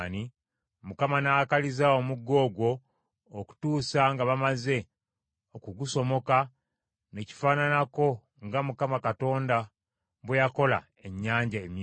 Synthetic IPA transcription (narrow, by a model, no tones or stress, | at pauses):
ni | mukamanaakalizao̞muɡːo̞ːɡwo̞ː | ku̥tuːsaŋɡaβamaze̞ | okuɡuso̞mo̞ka | ne̞ci̥faːnanako̞ | ŋɡamukamakato̞ːnda | βwejako̞la̰ | e̞ɲːaːɲɟaem